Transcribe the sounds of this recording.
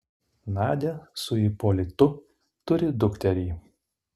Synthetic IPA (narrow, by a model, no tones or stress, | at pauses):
nɑːd̪ʲɛsʊipɔlʲɪt̪ʊ | t̪ʊɾʲɪd̪ʊkʲt̪ʲɛɾʲiː